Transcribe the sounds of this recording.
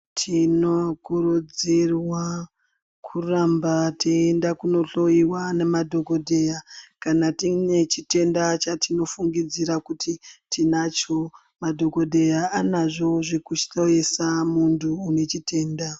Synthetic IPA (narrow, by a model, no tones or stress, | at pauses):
tʰino̞kurud͡zirwa | kʰurambatiendakuno̞ɬo̞iwane̞madʱo̞ko̞dʱe̞jakanatine̞t͡ʃite̞ndat͡ʃatino̞fuŋɡid͡ziɾakutʰitʰinat͡ʃo̞ | madʱo̞ko̞dʱe̞jaanaʐo̞ʐekuʃɬoesamuntʰuːne̞t͡ʃite̞ːnda